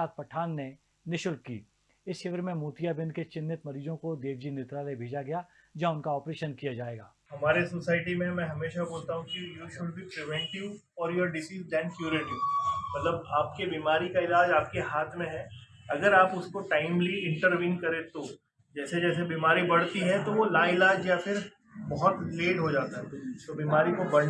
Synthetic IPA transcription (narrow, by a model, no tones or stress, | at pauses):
aːt̪̚pɐʈʰaːnːe | nɪʃʊlkkːḭː | ɪsʃɪʋəɾmẽmuːt̪ijabɪ̃nd̪ket͡ʃɪnːɪt̪mɐɾiːd͡ʒõkod̪eːʋd͡ʒineːt̪ɾaːlebʱeːd͡ʒaɡɐja | d͡ʒɐ̃ʊnkaɔːpɾeːʃənkijad͡ʒaːeːɡa̰ːɦɐmaːɾesosaːɪʈ̬imẽmɛ̃ɦɐmeːʃaboːlt̪aɦũkijuːʃʊɖbʱipɾɪʋɛ̃ɳʈɪʋɔːɾjoːɾɖɪsiːsdɛ̃ːnkjuːɾɪʈɪʋmɐt̪ləbaːp̚kebiːmaːɾikaɪlaːd͡ʒaːp̚keɦaːt̪ʰmẽɦɛːɐɡəɾaːpʊskoʈaːɪmliɪ̃ɳʈəɾʋiːnkɐɾet̪oː | d͡ʒɛːsed͡ʒɛːsebiːmaːɾibɐɽt̪iɦɛ̃t̪oʋolãːɪlaːd͡ʒjafɪɾ | bɐɦʊt̪leːɖɦod͡ʒaːt̪aɦɛt̪obiːmaːɾikobɐɽ